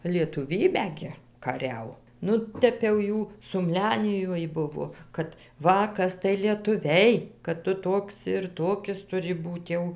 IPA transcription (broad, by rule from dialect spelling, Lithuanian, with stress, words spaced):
lʲiɛtʊˈʋʲiːbʲæː ɡʲɪ kɐˈrʲɛʊ ˈnʊ ˈtʲɛp jɛʊ ˈjuː sʊmʲˈlʲæːnʲɪjoːj ˈbʊʋoː ˈkɐt ˈʋɐ ˈkɐs tɐɪ lʲiɛtʊˈʋʲɛɪ kɐt ˈtʊ ˈtoːks ɪr ˈtoːkʲɪs tʊˈrʲɪ ˈbuːt jɛʊ